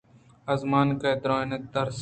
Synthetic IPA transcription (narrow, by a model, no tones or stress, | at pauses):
ɐzmaːnkɐːd̪ɾoːnet̪əɾs